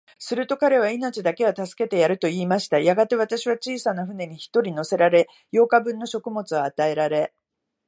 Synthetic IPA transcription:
sɨɾɯ̟t̪o̞kaɾe̞β̞aino̞t͡ɕid̪ake̞at̪asɨ̥ke̞t̪e̞jaɾɯ̟t̪o̞iːmaɕi̥t̪ajaɡat̪e̞β̞at̪aɕiβ̞at͡ɕiːsanaɸɯ̟ne̞ɲ̟içi̥t̪o̞ɾʲino̞se̞ɾaɾe̞ | jo̞ːkabɯ̟̃nːo̞ɕo̞kɯ̟mo̞t͡sɨβaːt̪ae̞ɾaɾe̞

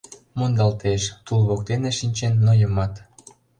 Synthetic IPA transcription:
mond̪ɑlt̪eʃt̪ulβok̚t̪eneʃinʲt͡ɕenːojəmɑt̪

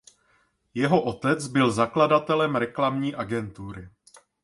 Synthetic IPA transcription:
jɛɦo̞ʔo̞t̪ɛt͡sbɪlzakladat̪ɛlɛmɾɛklamɲiːʔaɡɛnt̪uɾɪ

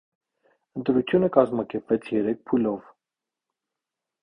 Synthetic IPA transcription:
ənt̪ɾut͡sʰjunəkɑzmɑkɛɾpvɛt͡sʰjɛɾɛk̚ʰpʰulɔv

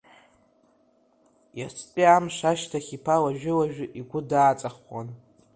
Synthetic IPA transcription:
jasʰʼpʼiamʂaʃtʰaχʲipʰalaʒᶣɪlaʒᶣɪʔiɡʷʊdaːt͡sʼaχʷa̰n

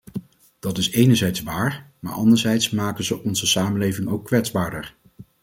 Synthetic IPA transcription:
d̥ɑtɪsejnəɹzɛjtsʋaːɹma̰ːɹɑndəɹzɛjtsmaːkənzəʔɔnzəsaːmənlejvɪŋowkːʋɛtzbaːɹdəɹ

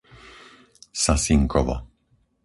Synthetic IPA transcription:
sasiŋkɔʋɔ̰

